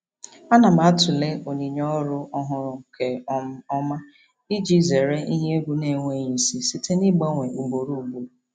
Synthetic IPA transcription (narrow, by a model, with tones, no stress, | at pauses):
a˦na˨m̩a˨a˦tʊ˨le˦ʔo˨ɲi˨ɲɔ˦ɾʊ˦ɔ˦ɦʊ˨ɾʊ˨kʰe˨ɔ˦ɔ˦ma˦ | i˦d͡ʒi˦˨ze˨ɾe˦ʔi˦ɦe˦ɡʷu˦ne˨ŋʷe˦˨ɲi˨si˦si˦tʰe˦ni˦ɡ͡ba˦ŋʷe˨ʔu˨ɡ͡bo˨ɾu˦˨bu˨